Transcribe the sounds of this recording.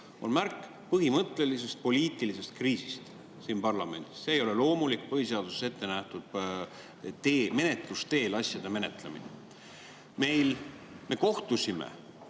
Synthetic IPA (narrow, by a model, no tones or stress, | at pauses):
o̞̰nmærkːˑ | pɤɦimɤt̪ˑle̞lise̞st̪̚po̞lʲiːt̪ːˑilise̞st̪kriːsi̥st̪ | siːnpɑrlɑme̞nd̪̥i̥sːeːjo̞le̞lo̞ːmulikːˑpɤhise̞ɑd̪̥usese̞t̪ːe̞næht̪ud̪̥̚ | t̪eme̞ne̞t̪ˑlust̪e̞ːlɑsʲjɑd̪̥e̞me̞ne̞t̪lemḭnḛ | me̞jl | me̞ko̞ht̪usimḛ